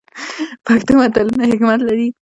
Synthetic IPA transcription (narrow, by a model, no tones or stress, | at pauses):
pakt̪umat̪alunahɪkmat̪laɾi